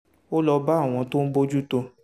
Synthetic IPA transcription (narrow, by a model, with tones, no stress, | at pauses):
o˦lɔ˧ba˦˨w̃ɔ̃˧to˦n̩˦bo˦d͡ʒu˦to˧